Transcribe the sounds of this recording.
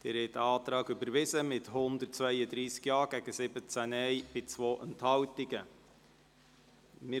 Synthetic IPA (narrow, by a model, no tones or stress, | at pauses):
d̪̥ɪɾhɛt̪əɑːt̪ɾɑːɡʏbəɾʋɪzəmɪthʊnd̪ərtt͡svœɪəd̪ɾiːskjɑːɡ̥æɡ̥əsɪbət͡sænɛjb̥ɪt͡svoːʔənthɑwtɪɡə | mɪ